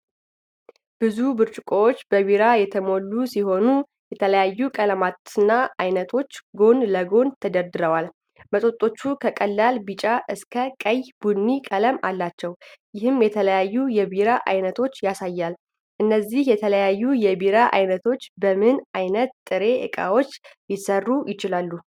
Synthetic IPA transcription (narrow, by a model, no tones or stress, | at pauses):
b̥ɨzubɨɾt͡ʃʼɪkʼowot͡ʃːbəβiɾajɛt̪ʰəmo̞lːusiɦo̞nu | jɛt̪ʰələjajːukʼələmat̪ɨnːaajnət̪ʰo̞t͡ʃːɡo̞nləɡo̞nt̪ʰəd̪əɾd̪ɨɾəwal | mət̪ʼo̞t̪ʼːo̞t͡ʃːukʰəkʼəlːalbɨt͡ʃʼaʔɨskʰəkʼəjbunːikʼələma̰lːat͡ʃːɛwjɪhɨmjɛt̪ʰələjajːujɛβiɾaʔa̰jnət̪ʰo̞t͡ʃːjasajːal | ʔɨnːəzːihjɛt̪ʰələjajːujɛbiɾaʔa̰jnət̪ʰo̞t͡ʃːbəmɨnajnət̪̚t̪ʼːɨɾe̞ʔɨ̰kʼa̰wo̞t͡ʃːjɪsərːujɪt͡ʃɪlalːu